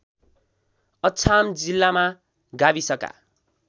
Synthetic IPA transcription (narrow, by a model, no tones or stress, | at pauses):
ʌt͡sʰamd͡zilːama | ɡabisʌka̰